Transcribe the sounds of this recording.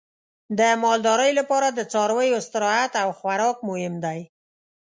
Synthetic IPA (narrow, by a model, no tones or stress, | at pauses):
d̪əmɑld̪ɑɾəjlapɑɾad̪ət͡sɑɾwəjost̪ɪɾɑat̪awxwaɾɑk̚mʊhɪmd̪aj